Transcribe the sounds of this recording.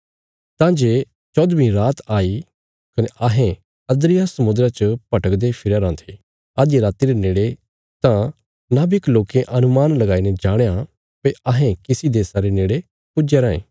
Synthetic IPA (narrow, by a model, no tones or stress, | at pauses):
t̪ãːd͡ʒeː | t͡ʃɔd̪bĩɾaːt̪aːi | kɐneʔɐɦɛ̃ | ɐd̪ɾɪjasɐmʊd̪ɾat͡ʃəpɐʈəkd̪epʰɪɾaɾãːt̪ʰe | aːd̪jeɾaːt̪iɾeneːɽe | t̪ã | nabikloːkẽʔɐnʊmaːnlɐɡaːinɛd͡ʒaːɽ̃ja | peɐɦɛ̃kɪsid̪eːsaɾeneːɽe | pʊd͡ʒeɾãːḛ̃ː